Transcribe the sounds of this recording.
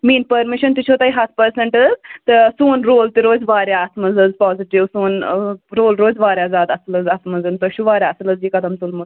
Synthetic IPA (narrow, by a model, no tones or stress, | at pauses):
miːnpɐɾmiʃɐnt̪ut͡ʃʰoːt̪aiɦɐt̪pɐɾseɳʈəzt̪esuːnɾoːlt̪iɾoːd͡zʋaːɾjaːt̪ʰmɐzəd͡zpɔːziʈiʋsuːnɾoːlɾoːd͡zʋaːɾjad͡zaːd̪ɐsləd͡zɐt̪mɐd͡zɨnt̪ɐɕuʋaːɾʲaɐsləd͡zikɐd̪ʱɐmt̪ulmu